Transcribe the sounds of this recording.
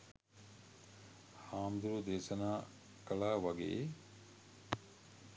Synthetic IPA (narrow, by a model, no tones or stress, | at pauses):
haːmd̪uɾud̪eːsɐnaː | kɐɭaːʋɐɡḛː